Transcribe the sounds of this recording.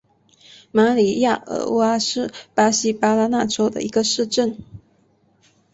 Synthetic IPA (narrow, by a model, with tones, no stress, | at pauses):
ma˧˥li˨˥˩ja˥˩ə̰˧˥wa˥ʂɻ̩˥˩pa˥ɕi˥pa˥la˥na˥˩ʈ͡ʂo˥ʊd̪ə̰˨ʔi˧˥ɡə˧ʂɻ̩˥˧ʈ͡ʂə˥˩n